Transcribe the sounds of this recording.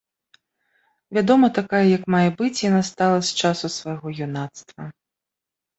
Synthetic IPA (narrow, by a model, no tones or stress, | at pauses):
vʲad̪ɔmɐt̪akajɛjɐkmajɛbɨt͡sʲjanast̪alˠɐsʲt͡ʂasusvajɣɔjunat̪st̪vɐ